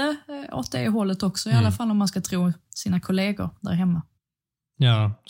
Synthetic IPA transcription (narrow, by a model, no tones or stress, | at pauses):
əo̰t̪̚d̪ɛ̰ɪɦɔlːət̪ɔksɔɪalːafalːɔmːanskat̪ʰɾuːsiːnakʰʊleːɡʊ̰ɾd̪æ̰ːɾɦɛmːa | jɑː